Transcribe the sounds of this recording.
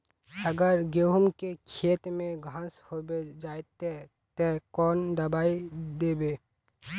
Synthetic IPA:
ɐɡəɾɡeːɦʊmkekʰeːt̪mẽɡʱãshoːbed͡ʒaːet̪e | t̪ekɔːnd̪ɐbaːid̪eːbeː

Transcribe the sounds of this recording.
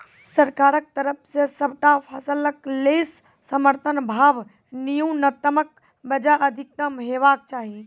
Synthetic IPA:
sɐɾkaːɾək̚t̪ɐɾəpʰsesɐbʱʈapʰɐsələkleːsː | ɐməɾt̪ʰənbʱaːʋ | nijũːnɐt̪əmək̚ | bɐd͡ʒaʔɐd̪ʱɪk̚t̪əmɦeːʋaːk̚t͡ʃaːɦi

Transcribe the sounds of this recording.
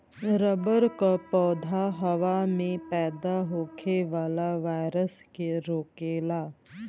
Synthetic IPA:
ɾəbəɾkapɔːd̪ʱaɦɐʋamẽpɛːd̪aɦoːkʰeʋaːlaʋaːjɾəskeɾoːkeːlaː

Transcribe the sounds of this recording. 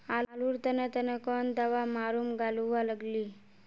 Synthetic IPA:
alluːɾt̪ənət̪ənəkɔnd̪aʋamaɾuːmɡaluʋaləɡliː

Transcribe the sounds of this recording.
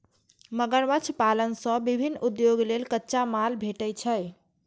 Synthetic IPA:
məɡəɾbət͡ʃʰpalənsə̃bibʱinːud̪joɡlelkətːʃamalbʱeʈəjt͡ʃʰəj

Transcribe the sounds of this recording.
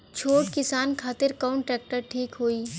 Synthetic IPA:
t͡ʃʰoːʈkɪsaːnkʰaːt̪ɪɾkaʊ̃ɳʈɾɛːk̚ʈəɾʈʰiːkɦoːiː

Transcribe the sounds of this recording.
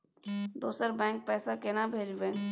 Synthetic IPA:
d̪uːsəɾbɛ̃ːŋk̚pɛːsakenabʱeːd͡ʒbẽː

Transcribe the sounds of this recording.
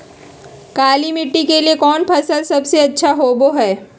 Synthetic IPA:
kaːlimɪʈːikeliekɔːnpʰɐsəlsɐbseɐtːʃʰaɦoːboɦɛː

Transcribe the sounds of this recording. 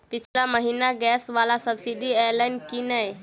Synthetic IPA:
pit͡ʃʰilaməɦinaɡɛsʋalasəbsiɖiɛjlajnkinaj

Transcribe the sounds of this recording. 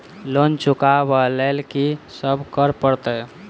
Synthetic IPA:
lont͡ʃukabəlelkisəbʱkəɾpəɾt̪ə

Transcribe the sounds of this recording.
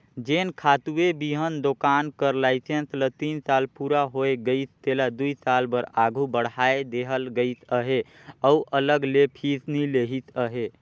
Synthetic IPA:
d͡ʒenkʰat̪uebiɦənd̪okankəɾlajsʰenslət̪insalpuɾaɦoeɡəɪt̪ʰt̪elad̪uisalbəɾaɡʱubəɽ̤ɦaed̪eɦəlɡəjt̪ʰəɦe | əuʔələɡlepʰisnileɦit̪ʰəɦe

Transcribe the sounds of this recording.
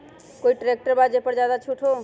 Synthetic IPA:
koːiʈɾek̚ʈəɾbaːd͡ʒepəɾd͡ʒjaːd̪at͡ʃʰuʈʰo

